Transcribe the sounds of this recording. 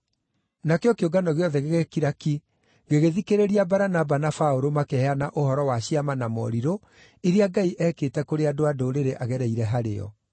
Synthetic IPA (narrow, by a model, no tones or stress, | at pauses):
nakeɔkeoɡanɔɣeɔðɛɣeɣekiɾaki | ɣeɣeðikeɾeɾiabaɾanabanafaoɾomakɛhɛanaʔohɔɾɔwaɕiamanamɔ̰ɾiɾo | eɾeaɡaiʔɛːketɛkoɾeadoadoːɾeɾeʔaɣɛɾɛiɾɛɦaɾḛɔ̰